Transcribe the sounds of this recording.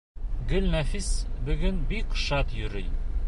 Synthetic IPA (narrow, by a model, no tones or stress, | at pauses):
ɡɵlnæfisbɵ̆ɡɘnbikʃɑt̪jɵ̆ɾɘj